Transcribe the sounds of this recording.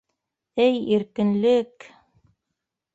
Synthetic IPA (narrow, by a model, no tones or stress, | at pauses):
ɘjiɾkɘ̆nlɘk